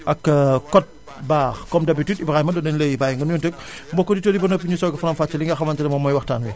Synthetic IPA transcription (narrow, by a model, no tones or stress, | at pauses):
ʔɐkkːɔt̚ | baːxkɔmdɐbititibɾaːimɐdɔnɐnlejbaːjŋɡɐnjuntək̚ | mbɔkːɔditoːdibɐnɔpːiɲusɔːɡɐfɐnɐmfaːt͡ʃːɐliŋɡɐxɐmɐntidɐmɔmɔjwɐxtaːnwi